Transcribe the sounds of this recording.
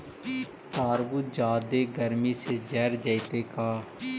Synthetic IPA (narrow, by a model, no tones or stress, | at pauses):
t̪aːɾbuːd͡ʒaːd̪eːɡəɾmiːseːd͡ʒɛːɾd͡ʒəit̪eːkaː